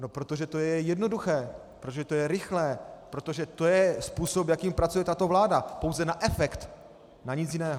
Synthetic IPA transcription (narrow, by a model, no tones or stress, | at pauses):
no̞pɾo̞t̪o̞ʒɛt̪o̞jɛɛjɛdno̞duxɛːpɾot̪oʒɛt̪o̞jɛɾɪxlɛːpɾo̞t̪oʒɛt̪o̞jɛspuːso̞pjakiːmpɾat͡sujɛt̪at̪o̞vlaːdapo̞wzɛnaʔɛfɛkt̪ | naɲɪt͡sjɪnɛːɦo